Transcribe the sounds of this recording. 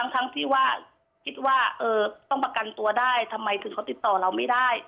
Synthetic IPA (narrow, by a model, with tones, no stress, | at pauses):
t̪ʰa˦˥ŋt̪ʰa˦˥ŋt̪ʰiː˥˩waː˥˩ | kʰi˦˥t̪̚waː˥˩ʔɤː˧˩t̪ɔ˥˩ŋpa˧ka˨nt̪u˧ɐdaː˥˩jt̪ʰa˧mːa˧jt̪ʰɯ˨˩˦kʰa˧˦wt̪i˨˩t̪ːɔː˨˩la˧˩wma˥˩jdaː˥˩j